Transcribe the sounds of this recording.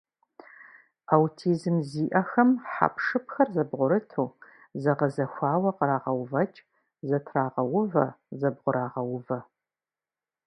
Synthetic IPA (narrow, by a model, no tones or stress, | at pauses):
awtʰiːzɨmziːʔɐxɐmħa̰pʰʂɨpxɐrzɐbʁʷʊɾɨtʰuː | zɐʁɐzɐxʷɑːwɐqəɾaːʁɐwvɐt͡ʃʼ | zɐtʰraːʁɐwʊvɐ̰zɐbʁʷʊɾaːʁɐwʊvɐ